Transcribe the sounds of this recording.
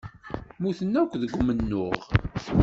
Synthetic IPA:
muθənːækʷːðəɡʷːmənːʊʁ

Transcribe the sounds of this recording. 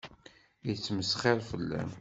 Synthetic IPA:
ət͡sːməsχeɾˤfəlːæ̰m

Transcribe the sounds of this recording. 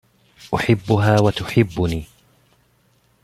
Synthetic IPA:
ʔʊħɪbːʊɦaːwat̪ʊħɪbːʊniː

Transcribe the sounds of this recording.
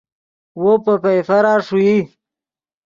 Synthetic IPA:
wopəpejfɐɾaːʂuji

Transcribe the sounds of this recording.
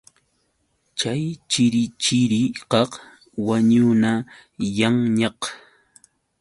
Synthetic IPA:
t͡ʃajt͡ʃɪɾɪt͡ʃɪɾɪqɑq | waɲʊna | jaŋɲɑq

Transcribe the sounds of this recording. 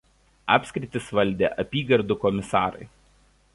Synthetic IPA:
ɑ̰ːpʲsʲkʲɾʲɪt̪ʲɪsʋɐlʲˑd̪ʲḛːʔɐpʲiːɡɐɾd̪ukɔmʲɪsɑːɾɐ̰ɪ

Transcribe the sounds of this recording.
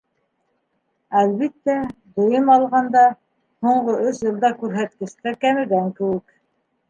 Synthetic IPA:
ælβit̪ːæd̪ŏjɤmɑlˠʁɑnd̪ɑ | huɴɢoʔɵʃjɤ̆lˠd̪ɑkʉɾɦæt̪̚kɘ̆ʃt̪æɾkæmɘ̆d̪æŋkɘ̆wɘk

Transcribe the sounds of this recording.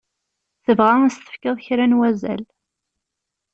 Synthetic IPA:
θəvʁææst̪ə̥fkəðˤçɾænwæzæ̰l

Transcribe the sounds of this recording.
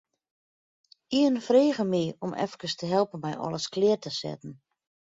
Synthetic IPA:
iənfreːɣəmiɔmʔɛ̰fkəstəɦɛlˠpənmɛjʔɔ̰ləsklɪətəsɛ̰tn̩

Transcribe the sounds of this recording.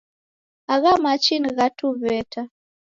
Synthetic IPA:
aɣamat͡ʃinɣatuβɛta

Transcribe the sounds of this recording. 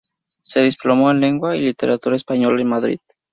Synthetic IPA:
se̞ð̞isplo̞moenle̞ŋɡwailit̪eɾat̪uɾaespaɲo̞laenmaðɾḭð

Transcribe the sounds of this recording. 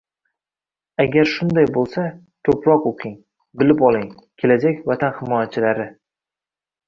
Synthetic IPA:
aɡʲaɾʃʊnd̪ajbolˠsa | kʰɵpɾɒqoqʲʰɪŋ | bɪlɪpɒlˠɪŋ | kʲʰe̞lad͡ʒakʲvat̪ʰanhɪmɒjat͡ʃʰɪlaɾɪ

